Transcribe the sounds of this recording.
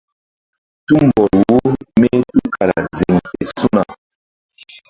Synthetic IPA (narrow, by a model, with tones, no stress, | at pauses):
tu˦m˨bɔ˨lwo˦me˦tu˦kʰa˨ɾa̰˨ze˨ŋɛ˨su˦na˨